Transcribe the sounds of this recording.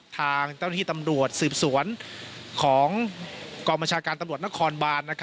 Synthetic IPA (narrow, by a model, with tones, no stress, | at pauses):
t̪ʰaː˧ŋt͡ɕa˥˩wna˥t̪ʰiː˥˧˩t̪a˧mɾu˨˩ət̪̚sɯː˨˩p̚su˩˦ənkʰɔː˩˦ŋkɔː˧ŋba˧nt͡ɕʰaː˧kaː˧nt̪a˧mɾu˨˩ət̪̚na˥kʰɔː˧nbaː˧nːa˥kʰ